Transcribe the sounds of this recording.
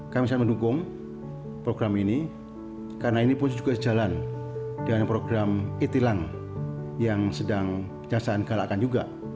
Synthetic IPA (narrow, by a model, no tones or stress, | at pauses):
kamisat̪məndukʊŋ | pɾoɡɾamini | karənainipʊnd͡ʒuɡasəd͡ʒaland̥anpɾoɡɾamit̪ilaŋ | jaŋsədaŋ | d͡ʒasaːnɡ̥alakand͡ʒuɡa